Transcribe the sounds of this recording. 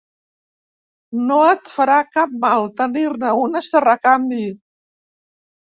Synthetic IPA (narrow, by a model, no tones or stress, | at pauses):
noət̪fəɾakap̚malˠt̪əniɾnəunəst̪ərakambi